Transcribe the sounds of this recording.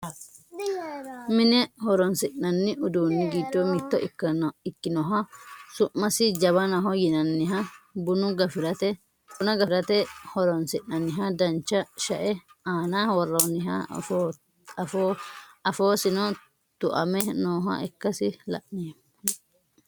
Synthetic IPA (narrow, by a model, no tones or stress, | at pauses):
mɪnɛhɔɾɔnsɪʔnɐnːɪʔʊd̪uːnːɪɡid͡ʒːɔmɪt̪ːɔ̰ʔɪkːɐɪkːɪnɔɦɐsʊʔːɐsɪd͡ʒɐβɐnɐɦɔjɪnɐnːɪɦɐbʊnʊɡɐfɪɾɐt̪ɛ | ʊnɐɡɐɾɐt̪ɛhɔɾɔnsɪʔnɐnːɪɦɐd̪ɐnt͡ʃːɐʃɐʔɛaːnawɔrːɐnɪɦɐ̰ | foɐfoːsɪnɔ | t̪ʊʔɐmɛnoːɦɐ̰ɛkːɐsɪlɐ̰ʔnɪ